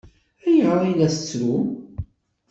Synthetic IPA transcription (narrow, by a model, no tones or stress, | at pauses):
æjəʁɾˤilæsət͡sːɾu